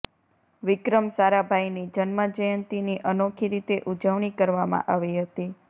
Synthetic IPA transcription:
ʋɪkɾəmsaɾabʱainid͡ʒənməd͡ʒəjənt̪iniʔənokʰiɾit̪eʔud͡ʒəʋɳikəɾʋamã̰ʔaʋiɦət̪i

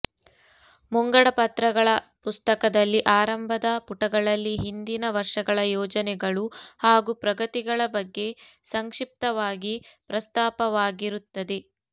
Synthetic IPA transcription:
muŋɡɐɽɐpɐt̪ɾɐɡɐɭɐpust̪ɐkɐd̪ɐlːiʔaːɾɐmbʱɐd̪ɐpuʈɐɡɐɭɐlːiɦind̪inɐʋɐɾʂɐɡɐɭɐjɔːd͡ʒɐnɛɡɐɭuhaːɡupɾɐɡɐt̪iɡɐɭɐbɐɡːe̞sɐŋkʂip̚t̪ɐʋaːɡipɾɐst̪aːpɐʋaːɡiɾut̪ːɐd̪e̞

